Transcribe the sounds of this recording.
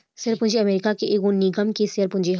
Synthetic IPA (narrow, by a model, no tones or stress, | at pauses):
seəɾpʊ̃nd͡ʒeɐmeːɾɪkakeʔeːɡõniɡəmkeseəɾpʊ̃ɲd͡ʒeɦ